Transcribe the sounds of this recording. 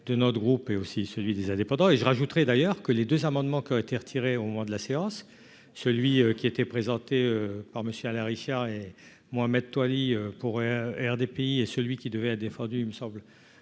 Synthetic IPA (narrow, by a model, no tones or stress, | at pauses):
d̪ənɔt̪əɡʁupeosisəlɥid̪ezɛ̃d̪epɑ̃d̪ɑ̃eʒəʁaʒut̪ʁɛd̪ajœʁkəled̪øzamɑ̃d̪mɑ̃kʲiɔ̃et̪eʁət̪ʰiʁeomɔmɑ̃d̪əlaseɑ̃sː | əlɥiøkʲiet̪ɛpχezɑ̃t̪eøpaʁməsjøalɛ̃ʁiʃaʁe | mɔamɛd̪̚t̪waliøpuʁɛʁd̪epeiesəlɥikʲid̪əvɛɛt̪d̪efɑ̃d̪yiməsɑ̃bl